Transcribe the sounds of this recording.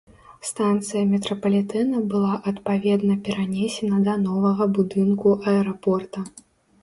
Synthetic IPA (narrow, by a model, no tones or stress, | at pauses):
st̪ant̪sɨjɐmʲɛt̪ɾɐpɐlʲit̪ɛnɐbɨlˠaʔɐt̪pavʲɛd̪nɐpʲɛɾanʲesʲɛnɐd̪ɐnɔvɐɣɐbud̪ɨnkuʔɐɛɾapɔrt̪ɐ